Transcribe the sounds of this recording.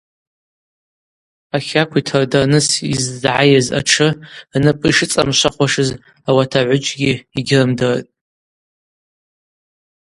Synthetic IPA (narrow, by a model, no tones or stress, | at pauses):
aχʲakʷʰitʰɨrdarnɨsḭzːʕajaza̰ʈ͡ʂʰɨnɨpʼɨʂɨt͡sʼamʃʷaχʷaʂɨz | awatʰaʕʷʊt͡ʃʼɡʲiiɡʲɪrɨmdɨr̰tʼ